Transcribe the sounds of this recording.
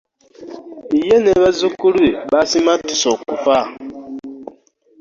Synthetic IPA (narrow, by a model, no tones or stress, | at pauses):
ijeneβazukuɾueɓasimatisɔkufa